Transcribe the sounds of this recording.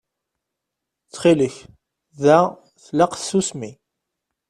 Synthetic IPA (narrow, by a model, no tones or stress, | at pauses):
t͡sːχiləç | ðæ | θlaqsːusmi